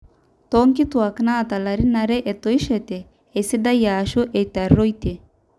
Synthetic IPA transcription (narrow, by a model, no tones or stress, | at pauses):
t̪ɔŋkit̪uaknaːt̪alaɾinaɾeʔet̪oiʃet̪e | esid̪ajaːʃuʔejt̪aɾːojt̪e